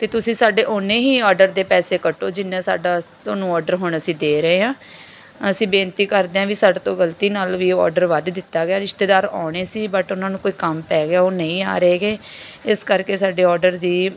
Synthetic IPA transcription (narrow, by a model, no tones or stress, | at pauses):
t̪eːt̪ʊsĩːsaːɖeːʔʊnːẽːɦiːɔːɾɖəɾd̪eːpɛːseːkəʈoːd͡ʒɪnːẽːsa̰ːɖaːt̪oːnũːɔːɖəɾɦʊɳəsĩːd̪eːɾəeːɦãː | əsĩːbẽːnt̪iːkəɾd̪eːãːʋiːsaːɖt̪õːɡəlt̪iːnaːlʋiːɔ̰ːɾɖəɾʋəd̪d̪ɪt̪ːaːɡɪaːɾɪʃt̪eːd̪aːɾaːɽ̃eːsiːbəʈʊnãːnũːkoːiːkəmpɛːɡɪaːoːnəĩːa̰ːɾəeːɡeːɪskəɾkeːsaːɖeːɔːɖəɾd̪iː